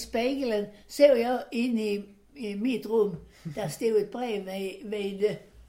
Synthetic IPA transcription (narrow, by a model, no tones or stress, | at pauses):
sb̥æɡ̥ələnseʊ̰jaɪe̝ni | mid̥ʁɔm | d̥ɑsd̥eʊed̥̚b̥ʁɛ̰ːʋʋed